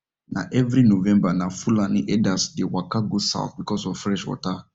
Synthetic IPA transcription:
nã̰ʔɛvɾinovɛ̃mbanafulãniʔɛdasdewakaɡosa̰ʊθbikɔsɔvfɾɛʃwɔ̰ta

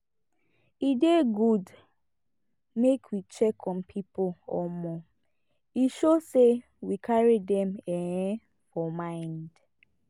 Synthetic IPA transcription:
ideɡud | mekʰwit͡ʃɛkʰɔm̩pʰipoɔ̰mɔ | iʃose | wikʰaɹidɛmeɲe | fɔmãɪnd

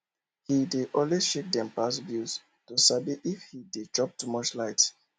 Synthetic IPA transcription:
hideʔɔ̃nweʃek̚dɛ̃mpasbuz̥ | tosabiʔifhidet͡ʃɹɔp̚tumɔt͡ʃlaɪt

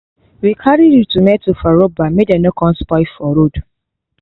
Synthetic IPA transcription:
wikʰaɾiditumɛtufaɾobamedɛnɔkʰɔ̃nspɔɪfɔɾod

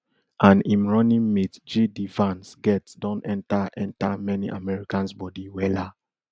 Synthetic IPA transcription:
ʔãnĩmɹɔnĩmmitd͡ʒidivãnsɡɛtdɔ̃nɛ̃ntaʔɛ̃ntamɛniʔamɛɹikãnsbɔdiwɛla

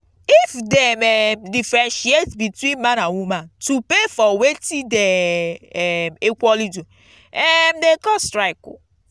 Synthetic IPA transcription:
ifdɛmɛdifɾẽnʃietbitwĩnmãnawumãntupefɔwetide | mekʷɔlidu | ɛmdekɔstɾaɪkṵ

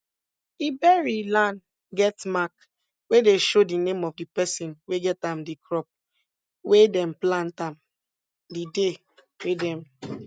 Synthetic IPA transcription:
ibɛɹilãn | ɡɛtmak | wedeʃodinẽmɔfdipɛsĩnweɡɛtãmdikɹɔp̚ | wedɛ̃mplãntãm | dide | wedɛ̃m

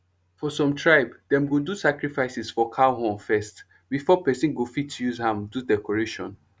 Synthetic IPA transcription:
fɔsɔ̃mtʰɹaɪbdɛ̃mɡõdusakɹifaɪsisfɔkʰaɦɔ̃nfɛst | bifɔpɛsĩnɡofitːujuzhãmdudɛkʰɔɹeʃɔ̃n

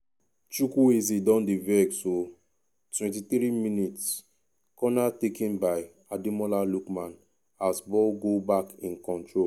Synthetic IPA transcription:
t͡ʃukuezidɔ̃ndivɛɡso | twɛ̃ntiθɾiminits | kɔnatekĩnbaɪ | adimɔlalukmãn | asbɔlɡobakĩnkɔ̃ntɹo

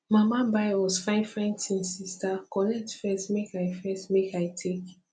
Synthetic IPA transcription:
mamabaɪwɔzfãɪ̃fɹɛ̃ntʰĩnsistakɔnɛk̚tfɛstmekaɪfɛstmekaɪtʰek

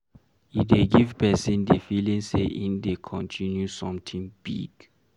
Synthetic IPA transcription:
ideɡivpʰɛsĩndefilĩŋseʔĩndekʰɔ̃ntʰĩnjusɔ̃mtʰĩŋb̥ḭɡ̥

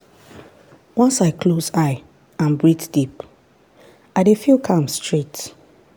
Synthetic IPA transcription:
wɔ̃nsaɪkʰlozaɪ | ãnbɹitd̥ip | aɪdefilkʰʌ̃mstʰɹet

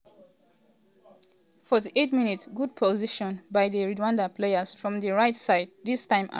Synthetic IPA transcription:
fɔtiʔetmĩnitsɡud̚pʰoziʃɔ̃nbajðəɹidwãndapʰleəz̥fɹɔ̃mðəɹaɪtsaɪd̚ðistãɪ̃ma̰

